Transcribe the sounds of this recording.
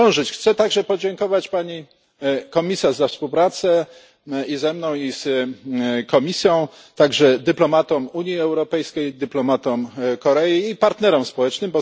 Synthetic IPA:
ɔw̃ʐɘt͡ɕxt̪sɛt̪aɡʐɛpɔd͡ʑɛŋkɔvat͡ɕpaɲi | kɔmʲisaʐzafspuwpɾat̪sɛ | izɛmnɔ̃w̃is | kɔmʲisʲjɔ̃w̃ | t̪aɡʐɛd̪ɘplɔmat̪ɔmuɲjiɛwɾɔpɛjskʲejd̪ɘplɔmat̪ɔmkɔɾɛjiːpaɾt̪nɛɾɔmspɔwɛt͡ʂnɘmbɔ

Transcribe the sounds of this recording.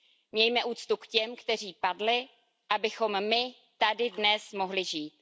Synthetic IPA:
mɲɛjmɛʔuːt͡st̪ukcɛmkt̪ɛr̝iːpadlɪ | ʔabɪxo̞mmɪ | t̪adɪdnɛsmo̞ɦlɪʒiːt̪̚

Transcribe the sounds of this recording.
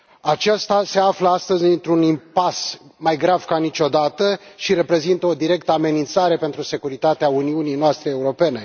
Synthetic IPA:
at͡ʃast̪ase̞afləast̪əzʲɨnt̪ɾunimpasmajɡɾav̥kanit͡ʃo̞d̪at̪əʃiɾe̞pɾe̞zint̪əo̞d̪iɾe̞k̚t̪əame̞nint̪saɾe̞pe̞nt̪ɾuse̞kuɾit̪at̪eauniunijnoast̪ɾe̞ːuɾo̞pe̞ne̞

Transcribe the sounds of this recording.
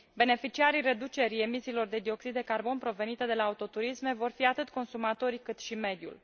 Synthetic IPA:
be̞ne̞fit͡ʃiaɾijre̞d̪ut͡ʃe̞ɾije̞misiːlo̞rd̪e̞d̪io̞ksid̪d̪ekarbo̞npɾo̞ve̞nit̪e̞d̪e̞laːut̪o̞t̪uɾisme̞vo̞rfiat̪ɨt̪ko̞nsumat̪o̞ɾkɨt̪ʃime̞d̪jṵl

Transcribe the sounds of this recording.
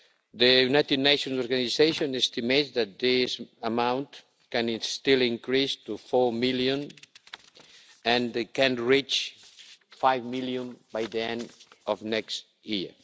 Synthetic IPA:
ðəjunajt̪id̪neʃɔ̃nsɔɾɡanizeʃõnɛst̪imetsðæt̪̚d̪isəmãw̃nt | kɛ̃nst̪ilĩŋkɹist̪ufɔɹmiljõn | ə̃ndkɛ̃nɹit͡ʃ | fajvmiljõnbajðiɛ̃nd̪ɔvnɛkst | jiɹ

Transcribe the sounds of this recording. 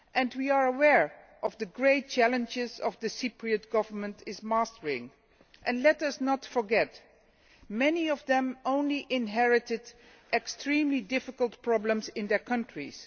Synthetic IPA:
ʔɨ̃nwiəɹəwɛɹ | ʔʌvðɨɡɹeɪt̚t͡ʃælˠə̃nd͡ʒɪzʌvðɨsipɹiɨt̚ɡ̥ʌvə˞mə̃ntʰɪzmastə˞ɪ̃ŋ | ʔɨ̃nlɛtʌsnətfə˞ɡɛt | mɛniʌvðə̃mõʊ̃nliʔɪ̃nɦɛɹɨtɨd | ʔɛkstɹĩmlidɪfɪklˠtpʰɹ̥ɑblə̃mzɪ̃nðɛɹkʰʌ̃ntɹ̥ḭz̥

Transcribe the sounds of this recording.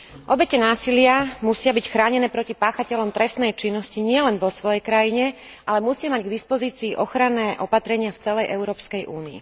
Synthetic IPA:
ʔɔbɛcɛnaːsilɪamusɪabicxɾaːɲɛnɛːpɾɔcipaːxacɛʎɔmt̪ɾɛst̪nɛjt͡ʃinːɔsciɲɪɛlɛnʋɔsʋɔjɛjkɾajiɲɛʔalɛmusɪamaɟɡd̪ispɔziːt͡siːʔɔxɾanːɛːʔɔpat̪ɾɛɲɪaft͡sɛlɛjʔɛʊɾɔːpskɛjʔuːniḭ

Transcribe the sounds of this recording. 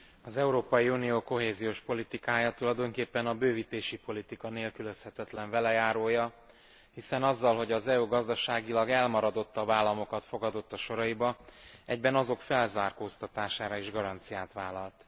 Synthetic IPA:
ɒzɛuɾoːpɒjiunijoːko̞ɦeːzijoːʃpo̞lit̪ikaːjɒt̪ulɒjd̪o̞ŋkeːpːɛnɒbøːvit̪eːʃipo̞lit̪ikɒneːlkyløshɛt̪ɛt̪lɛɱvɛlɛjaːɾoːjɒ | hisɛnɒzːɒlɦo̞ɟɒzɛuɡɒzd̪ɒʃaːɡilɒɡɛlmɒɾɒd̪o̞t̪ːɒbaːlːɒmo̞kɒt̪fo̞ɡɒd̪o̞t̪ːɒʃo̞ɾɒibɒɛɟ̚bɛnɒzo̞kfɛlzaːrkoːst̪ɒt̪aːʃaːɾɒiʒɡɒɾɒnt̪sijaːt̪ʋaːlɒlt̪

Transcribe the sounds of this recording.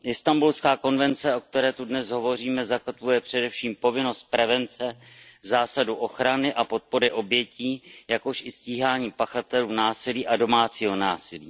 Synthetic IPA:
ʔɪst̪ambulskaːko̞nvɛnt͡sɛʔo̞k̚t̪ɛɾɛːt̪udnɛsɦo̞vo̞r̝iːmɛzakot̪vujɛpr̝̥ɛdɛfʃiːmpo̞vɪno̞st̪̚pɾɛvɛnt͡sɛzaːsaduʔo̞xɾanɪʔapo̞t̪̚po̞ɾɪʔo̞bjɛciːjakoʃʔɪsciːɦaːɲiːpaxat̪ɛluːnaːsɪliːʔado̞maːt͡siːɦo̞naːsɪlḭː

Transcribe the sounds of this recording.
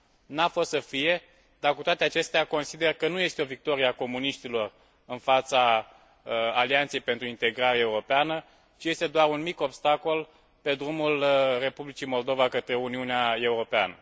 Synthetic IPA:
nafo̞st̪səfije̞ | d̪arkut̪oat̪eat͡ʃe̞st̪eako̞nsid̪e̞rkənuje̞st̪eo̞vik̚t̪o̞ɾieako̞muniʃt̪ilo̞r | ɨnfat̪sa | aliant̪sejpe̞nt̪ɾuint̪e̞ɡɾaɾeːuɾo̞peanə | t͡ʃije̞st̪e̞d̪oaɾunmiko̞bst̪ako̞l | pe̞d̪ɾumulre̞publit͡ʃimo̞ld̪o̞vakət̪ɾe̞uniuneae̞uɾo̞pea̰nə

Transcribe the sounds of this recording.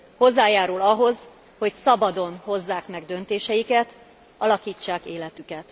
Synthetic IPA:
ho̞zːaːjaːɾulɒɦo̞z | ho̞csɒbɒd̪o̞nho̞zːaːkmɛɡd̪ø̞nt̪eːʃɛjikɛt̪ | ɒlɒkiːt͡ʃːaːkeːlɛt̪ykɛt̪

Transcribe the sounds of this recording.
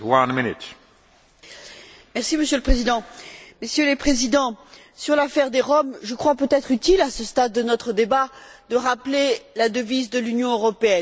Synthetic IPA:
wãnmɪnɪt | mɛʁsiməsjøləpχezid̪ɑ̃mesjølepχezid̪ɑ̃ | syʁlafɛʁd̪eʁɔmʒəkχwapøt̪ɛt̪χyt̪ilasəst̪ad̪ːənɔt̪χəd̪ebad̪əʁaplelad̪əvizd̪əlynjɔ̃øʁɔpeɛn

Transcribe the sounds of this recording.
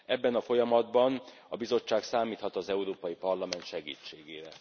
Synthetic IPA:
ɛbːɛnɒfo̞jɒmɒd̪bɒn | ɒbizo̞t͡ʃːaːksaːmiːt̪hɒt̪ɒzɛuɾoːpɒjipɒrlɒmɛnt̪ʃɛɡḭːt͡ʃːeːɡeːɾɛ

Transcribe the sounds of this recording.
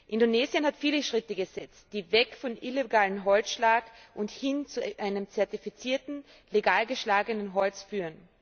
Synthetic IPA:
ʔɪndoneːzjənhatfiːləʃʁ̥ɪtəɡəzɛt͡st̚d̥iːvɛkfɔnʔileɡaːlənɦɔlt͡sʃlaːkʔʊnthɪnt͡suʔaɪnəmt͡sɛɐtifit͡siːɐtn̩ | leɡaːlɡəʃlaːɡənənɦɔlt͡sfyːʁən

